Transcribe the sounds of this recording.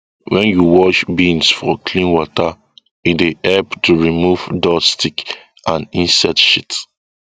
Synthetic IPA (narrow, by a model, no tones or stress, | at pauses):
wɛ̃njuwɔʃbĩnsfɔkʰlĩnwɔta | ideɛlptuɹimuvdɔstʰik | ãnĩnsɛtʃit